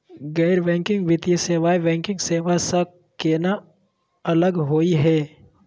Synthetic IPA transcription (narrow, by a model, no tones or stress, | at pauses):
ɡɛːɾʋɛ̃ːŋkɪ̃ŋɡʋɪt̪ieseːʋaːibɛ̃ːŋkɪ̃ŋɡseːʋasa | keːna | ɐləɡɦoːiɦɛː